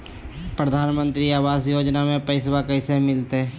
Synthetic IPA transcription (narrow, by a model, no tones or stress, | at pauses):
pɾəd̪ʱaːnmə̃nt̪ɾiaːʋaːzjoːd͡ʒnamẽpɛɪswakɛɪsemɪlt̪e